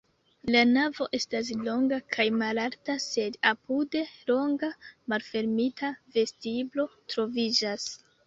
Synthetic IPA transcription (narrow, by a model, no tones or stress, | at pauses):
lanavo̞ʔe̞stas̬lo̞ŋɡakʰajmalaɾtase̞dapude̞lo̞ŋɡamalfe̞ɾmitʰave̞stiblo̞tɾo̞vid͡ʒas